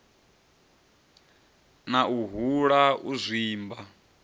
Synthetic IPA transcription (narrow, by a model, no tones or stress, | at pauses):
nauɦuɺauzʷiːmba